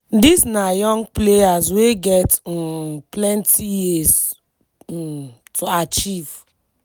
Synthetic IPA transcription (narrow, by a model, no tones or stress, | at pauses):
disnajɔ̃ŋɡplejazweɡɛt | plɛ̃ntʰijiz | tʰuat͡ʃiv